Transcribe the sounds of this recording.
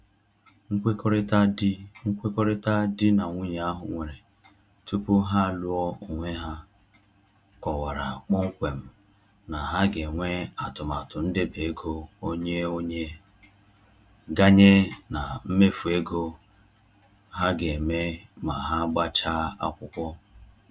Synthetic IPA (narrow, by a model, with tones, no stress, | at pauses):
ŋ̩˦kʷe˦kɾta˦dŋ̩˦kʷe˦kɔ˦ɾɪ˦ta˦dɪ˦na˨ŋʷu˦ɲ˨a˦ɦʊ˨ŋʷe˨ɾe˨ | tu˦pu˦ɦa˦˨lu˦ɔ˦o˨ŋʷe˦ɦa˦ | kɔ˨wa˨ɾa̰˨k͡pɔ˦ŋ̩˦kʷe˨m̩˦˨ | na˨ɦa˦ɡe˨ŋʷe˦a˨tʊ˨ma˨tʊ˨n̩˦de˦be˨e˦ɡo˦o˦ɲe˦o˦ɲe˦ | ɡa˦ɲe˦na˨m̩˦me˦fu˨e˦ɡo˦ | ɦa˦ɡe˨me˦ | ma˨ɦa˦ɡ͡ba˦t͡ʃaː˦a̰˦kʷʊ˦kʷɔ˦